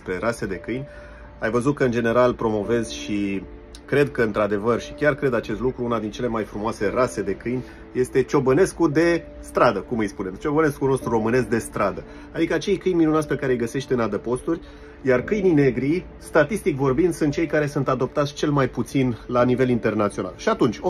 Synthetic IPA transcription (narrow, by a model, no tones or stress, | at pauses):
spɾe̞ɾase̞d̪e̞kɨjnʲ | ajvəzut̪̚kəɨnd͡ʒene̞ɾalpɾo̞mo̞ve̞z̥ʃi | kɾe̞d̪̚kəɨnt̪ɾad̪e̞vərʃi̥kʲarkɾe̞d̪at͡ʃe̞st̪lukɾuunad̪int͡ʃe̞le̞majfɾumoase̞rase̞d̪e̞kɨjnʲ | je̞st̪e̞t͡ʃo̞bəne̞skud̪e̞ | st̪ɾad̪əkumɨjspune̞mt͡ʃo̞bəne̞skuno̞st̪ɾuro̞mɨne̞sk̚d̪e̞st̪ɾad̪ə | ad̪ikəat͡ʃe̞jkɨjnʲminunat̪sʲpe̞kaɾejɡəse̞ʃt̪ʲɨnad̪əpo̞st̪urʲ | jarkɨjnine̞ɡɾi | st̪at̪ist̪ikvo̞rbind̪sunt̪t͡ʃejkaɾe̞sunt̪ad̪o̞p̚t̪at̪sʲt͡ʃe̞lmajput̪sinlanive̞lint̪e̞rnat̪sio̞na̰lʃiat̪unt͡ʃʲo